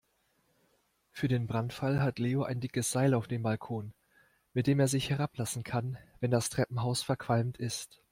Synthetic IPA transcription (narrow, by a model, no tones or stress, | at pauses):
fyːɐdeːnbʁantfalɦatleːoʔaɪndɪkəsz̥aɪlaʊfd̥eːmbalkʰoːn | mɪt̚d̥eːmeːɐzɪçhɛʁ̞aplasn̩kʰanvɛndastʁ̥ɛpm̩ɦaʊsfɛɐkʰv̥almtɪst